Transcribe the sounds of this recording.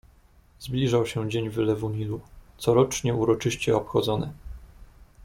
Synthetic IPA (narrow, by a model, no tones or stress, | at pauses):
zblʲiʐawɕɛd͡ʑeɲvɘlɛvumʲilut̪sɔɾɔt͡ʂɲɛuɾɔt͡ʂɘɕt͡ɕɛɔpxɔd̪zɔnɘ̰